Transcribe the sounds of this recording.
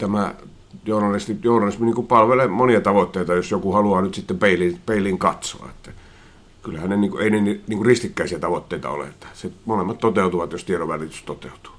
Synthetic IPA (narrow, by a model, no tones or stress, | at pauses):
t̪æmæ | joˑunɑrist̪ijoˑunɑrˑisminiːŋkupɑlʋelemoniɑt̪ɑʋot̪ːeˑit̪ɑjosjokuhɑluɑːnyt̪sit̪ːempeˑilipeˑilːiːŋkɑt̪so̰ɑ̰et̪ːæ | kylæhænneniːŋkuʔeˑineniniːŋkurrist̪ikːæˑisiæt̪ɑʋot̪ːeˑit̪ɑ̰o̰lḛet̪ːæ̥semolemːɑt̪t̪ot̪eˑut̪uʋɑt̪jost̪ieɾoʋælit̪yst̪ot̪eˑut̪u̥